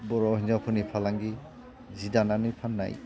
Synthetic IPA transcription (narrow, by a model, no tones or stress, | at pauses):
bɔɹɔɦinzawpʰɯnipʰalaŋɡi | zidananɯjpʰanːa̰j